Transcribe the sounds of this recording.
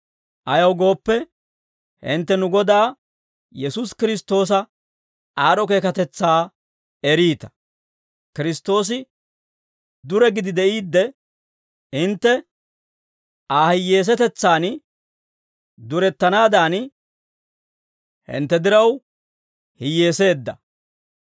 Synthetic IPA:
ʔɐjɐwɡo̞ːpːɛ | hɪ̰nt̪ːɛnʊɡɔd̪aː | jɛsuskɪɾɪst̪ːo̞ːs̬ɐ | aːɾɔk̬e̞ːkɐt̪ɛt͡sːaː | ɛɾiːt̪ɐ̥ | kɪɾɪst̪o̞ːs̬ɪ | d̪ʊɾɛɡɪd̪ɪd̪ɛʔiːd̪ːɛ | hɪnt̪ːɛ | aːhɪjːeːs̬ɛt̪ɛt͡sːaːn | d̪ʊɾɛt̪ːɐnaːd̪aːn | hɪ̰nt̪ːɛd̪ɪɾɐw | hɪjːe̞ːse̞ːd̪ːɐ

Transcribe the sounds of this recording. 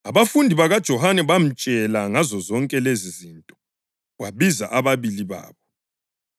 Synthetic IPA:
aβafundʱiβaɣad̥ʒ̥ʱɔhanɛβam̩t͡ʃʼɛlaŋazɔzɔŋkʼɛlezizintʼɔ | waβiza̰ʔaβaβiliβa̰ːβɔ

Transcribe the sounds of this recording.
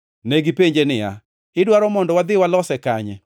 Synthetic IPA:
neɡipeɲd͡ʒenɪja̰ | ɪdwaɾɔmɔndɔwad̪ɪwalɔsɛkaɲɛ

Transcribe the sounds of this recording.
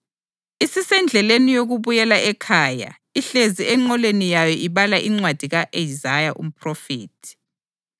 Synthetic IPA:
isisɛnd͡ɮʱɛlenijoɣuβujɛlaʔɛkʰaːja̰ | iɬeziɛŋ͡ǀɔlenijajɔʔiβalaʔiŋ͡ǀwad̥ʱiɣaʔejizajaʔṵm̩pʰrɔfiːtʰi̥

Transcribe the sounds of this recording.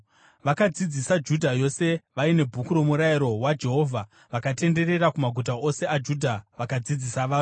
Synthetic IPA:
ʋakad͡zid͡zisad͡ʒudʱajo̞se̞ʋaine̞bʱukuɾo̞muɾaiɾo̞wad͡ʒe̞ɦo̞ːvʱa | ʋakate̞nde̞re̞ɾakumaɡʱut̬aʔose̞ad͡ʒudʱaʋakad͡zid͡zisaʋaː

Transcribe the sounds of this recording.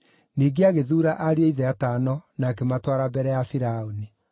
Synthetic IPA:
niːɡeaɣeðuːɾaʔaɾeoiðɛatanɔnaːkematwaɾabɛɾɛjafiɾaoni

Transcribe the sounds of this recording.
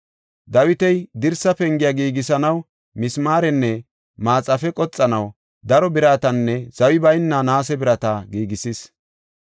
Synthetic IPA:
d̪ɐwɪt̪ɛjd̪ɪɾsɐpɛŋɡɪjaːɡiːɡɪsɐnɐw | mɪsmaːɾɛnːɛ | maːt͡sʼːɐfɛkʼɔt͡sʼːɐnɐw | d̪ɐɾɔbɪɾaːt̪ɐnːɛz̥ɐwɪbɐjnːɐnaːs̬ɛbɪɾɐt̪ɐɡiːɡɪsis

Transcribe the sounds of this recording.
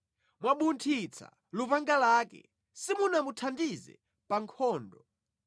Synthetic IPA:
mwaɓuntʰit͡sʰa̰ | lupaŋɡalaːkɛ̰ | simunamutʰandizɛ̰ | paŋkʰɔːndɔ

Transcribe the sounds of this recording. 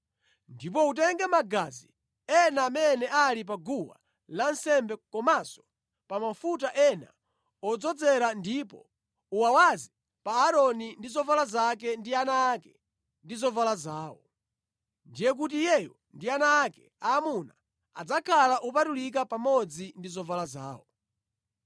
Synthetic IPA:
ndip̬ɔut̬ɛŋɡɛmaɡazḭ | ɛnaːmɛnɛʔalip̬aɡuwa̰ | lansɛmbɛkɔmasɔ̥ | pamafutaʔɛna̰ | ɔd͡zɔd͡zɛɾandipɔ̰ | uwawazi | paːɾɔnindizɔvalazak̬ɛndianaːkɛ | ndizɔvalazaːwɔ | ndijɛk̬ut̬ijɛjɔndianaːkɛ | aːmuna | a̰d͡zakʰalaʔup̬atulik̬apamɔd͡zindizɔvalaza̰ːwɔ

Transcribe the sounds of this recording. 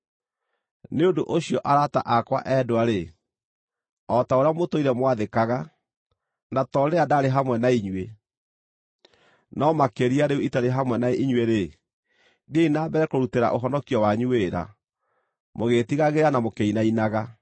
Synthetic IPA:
neondoʔoɕjɔʔaɾata̰ʔakwa̰ʔɛdowaɾe | ɔtaoɾeamotoiɾɛmwaðekaɣa | natɔɾeadaɾeɦamwɛnaiɲwe | nɔmakeɾiaɾeuitaɾeɦamwɛnaiɲweɾe | ɡeinaːbɛɾɛkoɾuteɾa̰ʔoɦɔnɔkiɔwaɲueːɾa̰ | moɣetiɣaɣeɾanamokeinainaɣa

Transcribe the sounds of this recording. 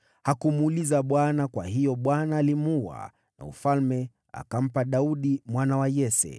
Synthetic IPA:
hakumulizaɓwanakwaɦijɔɓwanaːlimuwa̰ | na̰ṵfalmɛ | a̰kam̩paɗauɗimwanawajɛsɛ̰

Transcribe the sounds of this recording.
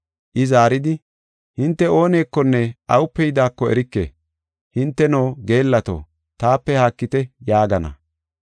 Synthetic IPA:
ʔɪzaːɾɪd̪ɪ | hɪnt̪ːɛo̞ːne̞ːkːɔnːɛʔɐwʊpːɛjd̪aːkːɔɛ̰ɾɪkːḛ | hɪnt̪ːɛnoːɡe̞ːlːɐt̪o̰ː | t̪aːpːɛhaːkːɪt̪ɛjaːɡɐnɐ̰

